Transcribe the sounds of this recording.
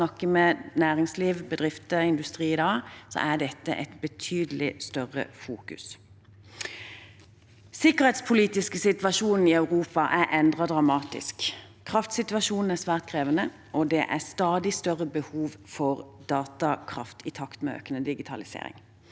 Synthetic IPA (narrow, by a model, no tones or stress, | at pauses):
nɑkːəmɛnæːʁɪŋsliːʋbəd̪ʁɪft̪əɪnd̪ʉst̪ʁiːɪd̪ɑːsɔ̰ʔæd̪ɛt̪ːə̰ʔɛt̪bət̪ʰyːd̪əlɪst̪œʁə̰fuːkʉ̰s | sɪkəʁhɛt̪spʰʊliːt̪ɪskəsɪt̪ʋɑʃuːnn̩ɪœʉʁuːpɑʔæɾʔɛnd̪ʁɑd̪ʁɑmɑːt̪ɪ̰sk | kʰːʁɑft̪sɪt̪ʋɑʃuːnn̩æʁsʋæːʁt̪̚kʰʁeːʋənə | ʔɔd̪ɛʔæst̪ɑːd̪ɪst̪œʁəbəhuːʋfɔʁd̪̥ɑːt̪ɑkʰʁɑ̰ft̪ʰɪt̪ʰɑkt̪mɛø̰ːkənəd̪ɪɡɪt̪ʰɑlɪsḛːɾɪ̰ŋ